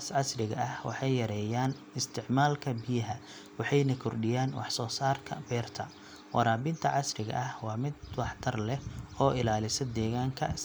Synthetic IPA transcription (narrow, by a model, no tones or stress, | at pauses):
asʕɑsrɪɣɐ̰ʔɐhwɑ̰ħɑjːɐɾɛːjaːn | ɪst̪ʰɪʕmaːlkʰɐbɪjɐɦɐ | wɑħɑjnɐkʰʊrɖɪjaːnwʔɑ̰ħsɔːsaːrkʰɐ̰bɛːrt̪ʰɐ | wʔɑ̰ɾaːbɪnt̪ʰɐʕɑsrɪɣɐ̰ʔɐhwɑːmɪd̪wɑħt̪ʰɐrlɛhɔːʔɪlaːlɪsɐd̪ɛːɣaːŋkʰɐ̰